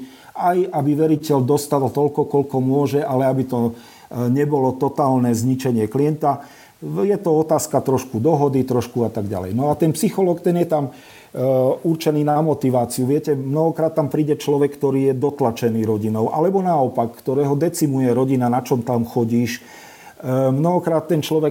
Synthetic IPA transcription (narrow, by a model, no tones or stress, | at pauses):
ajabiʋɛɾicɛʎd̪ɔst̪alt̪ɔlkɔkɔʎkɔmʊɔʒɛʔalɛabit̪ɔ | ɲɛbɔlɔt̪ɔt̪aːlnɛzɲit͡ʃɛɲɪɛkliɛnt̪a | jɛt̪ɔɔt̪aːskat̪ɾɔʃkud̪ɔɦɔd̪it̪ɾɔʃkuat̪aɡɟa̰lɛ̰jnɔat̪ɛnpsixɔlɔːkt̪ɛnjɛt̪am | urt͡ʃɛniːnamɔt̪iʋaːt͡siuʋɪɛcɛmnɔɦɔkɾaːt̪ːampɾiːɟɛt͡ʃlɔʋɛkːt̪ɔɾiːjɛd̪ɔt̪lat͡ʃɛniːɾɔɟinɔʊʔa̰lɛbɔnaɔpakːt̪ɔɾɛːɦɔd̪ɛt͡simujɛɾɔɟinanat͡ʃɔmt̪amxɔɟiːʃ | mnɔɦɔkɾaːt̪ːɛnt͡ʃlɔʋɛ